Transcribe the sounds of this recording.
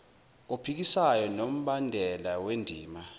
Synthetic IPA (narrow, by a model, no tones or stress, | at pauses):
opʰik̬isajɔnom̩ɓandʱɛlawendʱiːma